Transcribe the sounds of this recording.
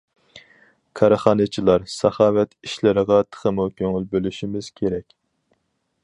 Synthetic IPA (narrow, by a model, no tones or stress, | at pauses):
kʰɑɾəχɑːnɨt͡ʃʰilˠɑɾsɑχɑːwɛt̪ʰiʃlɪɾəʁɑt̪ʰə̥χəmukʲʰøŋylbølyʃimɪz̥kʲʰeɾɛkʲ